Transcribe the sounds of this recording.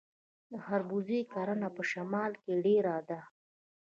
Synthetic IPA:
d̪əhaɾbuzekaɾanapəʃamɑlkeɖeɾad̪a

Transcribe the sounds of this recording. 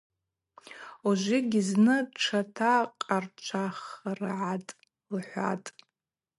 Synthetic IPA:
uʒʷɪɡʲɪznɨʈ͡ʂʰatʰaqʼart͡ʃʷʰaχrʕatʼ | lħʷa̰tʼ

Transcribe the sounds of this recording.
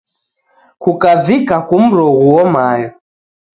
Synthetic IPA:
kukavikakum̩ɾɔɣuwɔmajɔ

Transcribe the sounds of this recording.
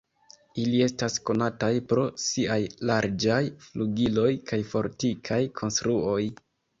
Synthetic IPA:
ilie̞stasko̞natajpɾo̞siajlaɾd͡ʒajfluɡilo̞jkʰajfo̞ɾtikʰajkʰo̞nstɾuo̞j

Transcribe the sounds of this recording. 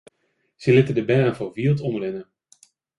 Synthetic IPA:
z̥əlɪtədəbɛːrənvoːɹʋiːlˠtɔndərɛnən

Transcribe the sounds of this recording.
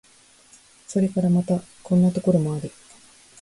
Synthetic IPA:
so̞ɾe̞kaɾamat̪akõ̞nːat̪o̞ko̞ɾo̞mo̞aɾɯ

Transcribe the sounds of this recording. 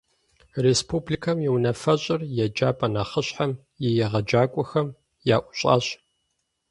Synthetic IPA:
respʰublikʰɐmjɛwnɐfɐɕʼɪrjɛd͡ʒaːpʼɐnaːχəɕħam | jɛjɛʁɐd͡ʒaːkʷʼɔxɐm | jaːʔʷʊɕʼa̰ːɕʼ

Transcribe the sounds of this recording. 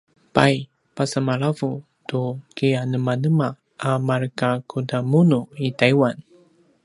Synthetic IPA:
paj | pasamaɭavu | tukianəmanəma | ʔamarkakʰudamunuitajwan

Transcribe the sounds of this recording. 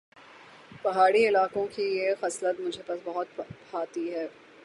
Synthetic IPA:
pɐɦaːɽiɪlaːkõkijexɛslət̪mʊd͡ʒʱepɐsbɐɦʊt̪̚baːt̪iɦɛː

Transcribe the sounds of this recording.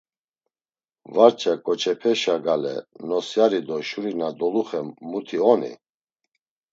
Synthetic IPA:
vaɾt͡ʃʰʼakʼɔt͡ʃʰʼɛpʰɛʃaɡalɛ̰nɔsjaɾid̪ɔʃuɾinad̪ɔluχɛmːut̪ʰiɔnḭ

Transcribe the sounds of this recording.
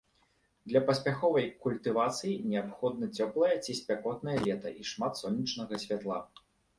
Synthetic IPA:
d̪lʲɐpɐsʲpʲaxɔvɐjkulʲt̪ɨvat̪sɨjinʲɛapxɔd̪nɐt͡sʲɔplˠɐjɐt͡sʲisʲpʲakɔt̪nɐjɐlʲɛt̪ɐ̰ʔiʂmat̪sɔnʲːit͡ʂnɐɣɐsʲvʲat̪lˠa

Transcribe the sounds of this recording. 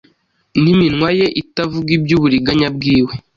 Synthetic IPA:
niminŋwaje̞ʔitavuɡibjuβuɾiɡaɲab̚ɡiːwe

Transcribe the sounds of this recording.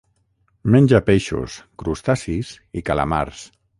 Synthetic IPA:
menʲd͡ʒapeʃṵskɾust̪asis | ikala̰ma̰ɾs

